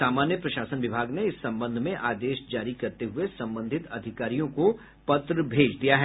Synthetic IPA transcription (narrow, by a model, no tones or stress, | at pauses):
aːmaːnjəpɾɐʃaːsənʋɪbʱaːɡneɪsːɐ̃mbə̃nd̪ʱmẽʔaːd̪eːʃd͡ʒaːɾikɐɾt̪eɦʊesɐ̃mbə̃nd̪ʱɪt̪ɐd̪ʱɪkaːɾijõko | pɐt̪ɾəbʱeːd͡ʒd̪ijaɦɛː